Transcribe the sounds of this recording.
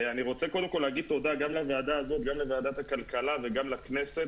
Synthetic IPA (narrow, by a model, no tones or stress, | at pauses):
aniʁo̞t͡se̞ko̞d̪emkoleːɡid̪̚t̪o̞d̪aɡamlavead̪aːzo̞t̪̚ɡamlevead̪at̪hakalkalaveɡamlakne̞se̞t